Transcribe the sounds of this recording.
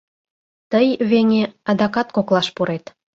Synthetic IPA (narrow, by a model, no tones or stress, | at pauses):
t̪əjβeŋeɑd̪ɑkɑt̪koklɑʃpuɾet̪